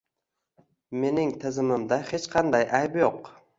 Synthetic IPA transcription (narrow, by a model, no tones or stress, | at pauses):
me̞nɪŋt̪ʰɪzɪmɪmd̪ahe̞t͡ʃqʰɑnd̪ajʔajbjoq